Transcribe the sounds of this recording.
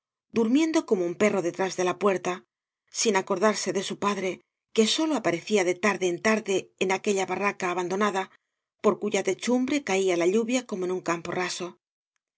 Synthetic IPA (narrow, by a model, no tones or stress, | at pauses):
d̪uɾmje̞nd̪o̞ko̞moumpe̞ro̞ðe̞t̪ɾazðe̞lapwe̞ɾt̪a | sinako̞ɾðaɾse̞ðe̞supaðɾe̞ | ke̞so̞lo̞apaɾe̞θiaðe̞t̪aɾðeːnt̪aɾðe̞ːnake̞ʎaβarakaːβand̪o̞naða | po̞ɾkuʝat̪e̞t͡ʃumbɾe̞kaialaʎuβjako̞mo̞enuŋkampo̞̰raso̞